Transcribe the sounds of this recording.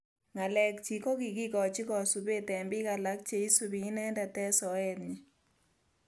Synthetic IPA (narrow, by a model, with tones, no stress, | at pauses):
ŋa˨lɛ˨k̚t͡ʃi˨ko˦ki˨ki˦kɔ˨t͡ʃɪ˦kɔ˨su˨be˦tɛ˨mbɪ˦ka˨la˦k̚t͡ʃe˦i˦su˨bi˨˦nɛ˦nda˨tɛ˦sɔ˨ɛ˦t̪ɲi˨